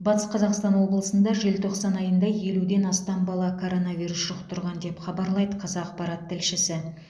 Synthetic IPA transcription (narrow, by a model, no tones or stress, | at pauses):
bɑt̪ə̥sqʰɑzɑqst̪ɑnwo̞blˠəsənd̪ɑʒelt̪ʰo̞qsɑnɑjənd̪ɑje̞lud̪e̞nɑst̪ɑmbɑlˠɑkʰo̞ɾo̞nɑvʲijɾusʒ̥ʊqt̪ʰʊɾʁɑnd̪e̞pχɑbɑɾlˠɑjd̪əqʰɑzɑːqpɑɾɑt̪ʰːɪlʃɪsɪ